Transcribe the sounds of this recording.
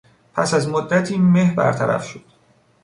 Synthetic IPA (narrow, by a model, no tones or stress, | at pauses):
pʰæsæzmod̪ːæt̪ʰiːmehbæ̰ɾt̪ʰæɾæ̰fʃod̪̥